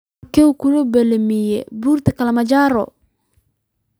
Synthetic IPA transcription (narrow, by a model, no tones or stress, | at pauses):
keukuɾobɛlemijɛ̰buɾtɪkalamad͡ʒaːɾɔ̰